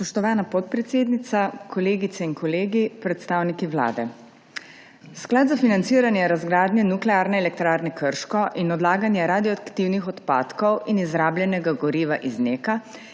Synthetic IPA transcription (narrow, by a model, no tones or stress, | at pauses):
spɔʃt̪ɔʋaːnapɔt̪̚pɾɛt̪seːd̪nit̪sakʰɔleːɡit̪sɛinkɔleːɡipɾɛt̪st̪aːwnikiwla̰ːd̪ɛ | sklaːd̪zafinant̪siːɾanjɛɾazɡɾaːd̪njɛnuklɛaːɾnɛɛlɛk̚t̪ɾaːɾnɛkəɾʃkɔʔinɔd̪laːɡanjɛɾaːd̪iɔakt̪iwnixɔt̪pa̰ːt̪kɔwinizɾaːbljɛnɛɡaɡɔɾiːʋaʔizneːka